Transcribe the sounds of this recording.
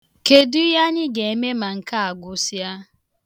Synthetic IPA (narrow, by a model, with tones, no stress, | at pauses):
ke˨du˦ja˦nɪ˦ɡe˨e˨me˦ma˨ŋ̩˨ka˦a˨ɡʷʊ˨sja˦